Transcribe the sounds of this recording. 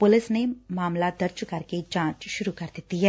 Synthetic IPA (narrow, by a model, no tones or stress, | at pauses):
pʊlɪsnemaːmlad̪ɐɾd͡ʒkɐɾked͡ʒãːt͡ʃʃʊɾukɐɾd̪et̪iɦɛː